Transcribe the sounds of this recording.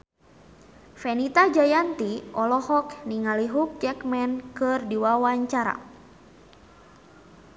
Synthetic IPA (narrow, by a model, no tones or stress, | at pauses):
fɛnit̪ad͡ʒajant̪iʔɔlɔhɔkniŋaliɦuk̚t͡ʃɛkmɛnkɨrdiwawaɲt͡ʃaɾa̰